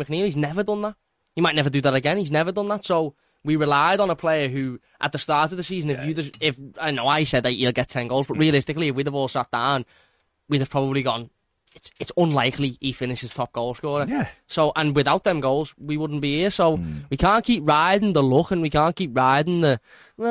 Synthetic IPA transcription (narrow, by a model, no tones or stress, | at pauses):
əknilˠiznɛvədʊ̃nðət̚ | himaɪtⁿnɛvədɨðəɾəɡɛ̃nhiznɛvə˞dʊ̃nðətsoʊ | wiɹɪlaɪɾn̩əpʰl̥eɪə˞ɦʉ | ʔət̪̚ðəstɑɹtəvðəsiːzə̃nɪfjɨðəzɪfaɪnoʊaɪsɛd̪̚ðət͡ʃəlˠɡɛtʰɛ̃nɡoʊlˠzbʌtɹiəlɪstɪkliɪvwiðəbɔːlˠsat̚d̥ãʊ̃n | wiðə̥pʰɹ̥ɒbəbliɡɒ̃n | ɪtsɪtsə̃nlaɪkliifɪ̃nɪʃɪz̥tʰɒp̚ɡ̥oʊlˠskɔːɹəjæsoʊʔə̃nwɪðaʊt̪̚ðə̃mɡoʊlˠzwiwʊdⁿn̩b̥ihɪəsoʊwikʰãːˑnkʰipɹaɪdɪ̃nðəlʊkə̃nwikʰãnkʰip̚ɹaɪdɪ̃nðə